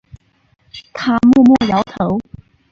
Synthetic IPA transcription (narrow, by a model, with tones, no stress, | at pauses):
t̪ʰa˥mɔ˥˧mwɔ˥˩jɑ˨˧˦ʊt̪ʰo˧˦ʊ